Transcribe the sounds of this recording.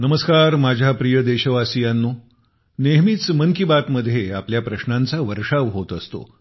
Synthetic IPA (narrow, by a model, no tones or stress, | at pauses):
nəməskaɾmad͡ʑʱapɾijəd̪eɕəʋasijanːo | neɦmit͡sməŋkibat̪məd̪ʱːjeapljapɾəɕnãnt͡saʋəɾʂaʋɦot̪əst̪o̰